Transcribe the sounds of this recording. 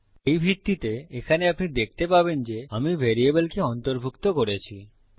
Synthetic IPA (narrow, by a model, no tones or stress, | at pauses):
ejbʱiɾt̪ːit̪eekʰaneapnid̪ek̚t̪epabend͡ʑeamibʱeɾiebelkeɔnt̪oɾbʱukt̪okoɾet͡ɕʰi